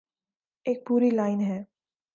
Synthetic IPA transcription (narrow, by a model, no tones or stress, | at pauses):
eːk̚puːɾilaːɪnɦɛː